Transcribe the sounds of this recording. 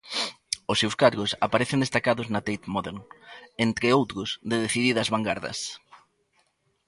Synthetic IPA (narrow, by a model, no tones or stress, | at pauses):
ʊsːewskaɾɣʊsapaɾeθɪnd̪est̪akaðʊznɐt̪ejt̪mɔðeɾnent̪ɾɪowt̪ɾʊsd̪eðeθiðiðɐzβaŋɡaɾðɐ̰s